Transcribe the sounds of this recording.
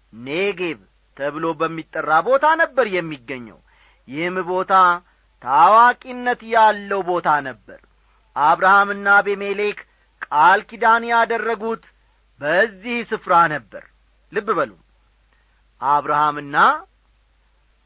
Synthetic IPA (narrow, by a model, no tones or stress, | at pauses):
neɡe̞β | t̪ʰəβɨlo̞bəmːit̪ʼːərːabo̞t̪ʰanəbːəɾjɛmːiɡːəɲːə̰w | jɪhmbo̞t̪ʰa | t̪ʰawakʼinːət̪jalːəwbo̞t̪ʰanəbːə̰ɾ | ʔaβɾahamɨnːabemele̞k | kʼalkid̪anjad̪ərːəɡut̪ | bəzːihsɨfɾanəbːə̰ɾ | lɨbːɨbəlṵm | ʔaβɾahamɨnːa